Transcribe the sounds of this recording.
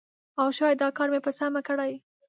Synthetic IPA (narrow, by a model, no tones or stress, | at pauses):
awʃɑjad̪ɑkɑɾmepəsamakəɽaj